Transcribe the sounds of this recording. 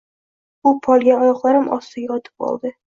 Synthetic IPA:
ʊpʰɒlˠɡʲaɒjɒχlˠaɾɪmʔɒ̰sɪɡɒt̪ʰɪ̥pɒ̰lˠd̪ɪ

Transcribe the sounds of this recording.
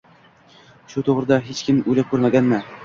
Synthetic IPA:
ʃut̪ʰoʁɾɨd̪aɦet͡ʃkʲʰɪmujlakʰʲɵɾmaɡʲanma

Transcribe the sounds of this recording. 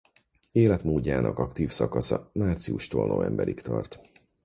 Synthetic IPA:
eːlɛt̪moːɟːaːnʔɒkɒkt̪iːfsɒkɒsɒmaːrt̪siuʃt̪ono̰ːɛmbɛɾikt̪ɒrt̪

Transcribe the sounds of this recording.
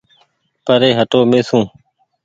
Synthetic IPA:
pəɾeːɦəʈoːmeːsũː

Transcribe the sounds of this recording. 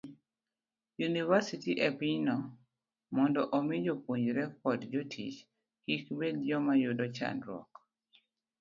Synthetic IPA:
junivasitiʔɛpinɔ | mɔndɔʔɔmɪd͡ʒopwoɲd͡ʒɾɛk̚ɔdd͡ʒotʰḭt͡ʃ | kikbedd͡ʒɔmajʊdɔt͡ʃa̰ndɾɔ̰k

